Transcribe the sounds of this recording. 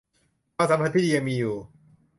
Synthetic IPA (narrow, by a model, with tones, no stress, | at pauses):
paː˧˩sa˨˦mpʰa˥t̪̚pʰiː˥d̪i˧ja˧ŋmiː˧juː˨˩